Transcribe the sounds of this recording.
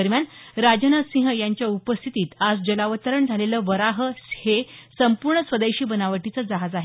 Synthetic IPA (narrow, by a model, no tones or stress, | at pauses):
əɾmjanɾad͡ʑənasĩɦəjaɲt͡ɕjaupəst̪ʰit̪iːt̪ad͡zd͡ʑəlaʋət̪əɾəɳd͡zʱaleləʋəɾaɦəhesəmpuɾɳəsʋəd̪eɕiːbənaʋəʈit͡səːd͡zaɦad͡zaɦe